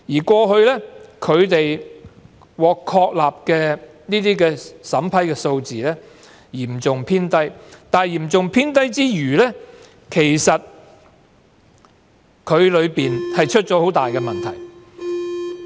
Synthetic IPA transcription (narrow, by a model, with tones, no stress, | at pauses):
jiː˨˩kʷɔː˧ɦɵ˧ɥlɛː˥kʰɵ˨˧ɥt̪e˨j | wɔː˨kʰːɔː˧k̚laː˨p̚kɛː˧niː˥t̪iː˥kɛː˧sɐ˨˥mpʰɐ˨˥jkɛː˧so˧wt͡siː˨lɛː˥ | jiː˨˩m̩˨t͡sʊ˨ŋpʰiː˥nt̪ɐ˥jt̪aː˨˩njiː˨˩mt͡sʊ˨ŋpʰiː˥nt̪ɐ˥jt͡siː˥jyː˨˩lɛː˥ | kʰe˨˩jsɐ˨t̚ | kʰɵ˨˧ɥlɵ˨˧ɥpiː˨nhɐ˨jt͡ʃʰɵ˥t̚t͡ʃɔː˨˥ho˨˥wt̪aː˨jkɛː˧mɐ˨nt̪ʰɐ̰˨˩j